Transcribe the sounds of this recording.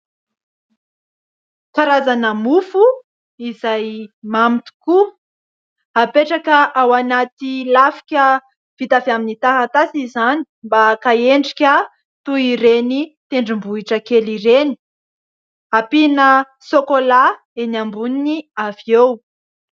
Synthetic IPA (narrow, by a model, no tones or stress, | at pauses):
kaɾazanəmufu | izajmamit̪u̥ku | apeʈ͡ʂakəʔawanat̪ilafi̥kʲə | v̥it̪afaminit̪aɦat̪asizani̥mbakaeɳɖ͡ʐi̥kʲə | t̪uiɾenit̪eɳɖ͡ʐimbuiʈ͡ʂəkeliɾeni̥ | apinə | sokola | enambuniniaview